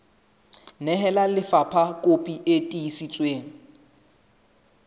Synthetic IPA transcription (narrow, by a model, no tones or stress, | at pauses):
nɛɦɛlalɪfapʰakʼopʼiʔetʼiisit͡sʼweːŋ̩